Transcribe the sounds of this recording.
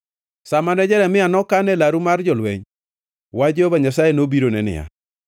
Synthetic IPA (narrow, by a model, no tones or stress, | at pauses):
samanɛd͡ʒɛɾɛmɪanɔkanɛlaɾumard͡ʒɔlwɛ̰ɲ | wad͡ʒobaɲasajenobiɾonɛnɪ̰a̰